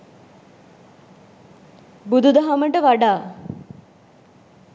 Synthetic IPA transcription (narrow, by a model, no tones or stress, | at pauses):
bud̪ud̪əɦaməʈəʋaɖaː